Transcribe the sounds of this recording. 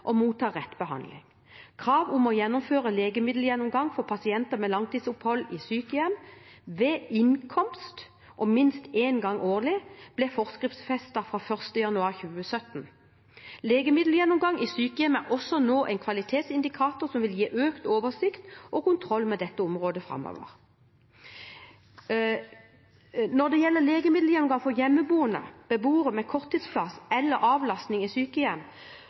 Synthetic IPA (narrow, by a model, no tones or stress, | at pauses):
ʔɔmuːt̪ʰɑːʁɛt̪ːbəhɑ̰nd̪lɪŋ | kʰʁɑːʋʊmɔjɛnːʊmføːʁəleːɡəmɪd̪l̩jɛnːʊmɡɑŋfɔʁpʰɑsɪɛnt̪əmɛlɑŋt̪iːd̪sʊphɔlːɪsyːkəjɛmʋeːʔɪŋkʰɔmst̪ | ʔɔmɪnst̪eːnɡɑŋʔoːʁlɪb̥lɛfɔʁskɪft̪sfɛst̪ɑfʁɑːfœʁst̪əjɑnʉɑːʁçʉːəsœt̪n | leːɡəmɪd̪l̩jɛnːʊmɡɑŋʔisyːkəjɛmæʁɔsɔnoːʔæɪnkʰʋɑlɪt̪ʰeːt̪sɪnd̪ɪkʰɑːt̪ʊsɔmʋɪljiːʔøːkt̪oːʋəsɪkt̪ʔɔkʊnt̪ʰʁɔlːmɛd̪ɛt̪ːəɔmʁoːd̪əfɾɑ̰mːo̰ːʋə̰ʁ | nɔʁd̪ɛjɛlːəleːɡəmɪd̪l̩jɛnʊmɡɑŋfɔʁjɛmːəbuːənə̰b̥əbuːʁəmɛkʰɔʁt̪ʰːiːd̪spʰlɑsɛlːəɾɑːʋlɑst̪nɪŋisyːkəjɛm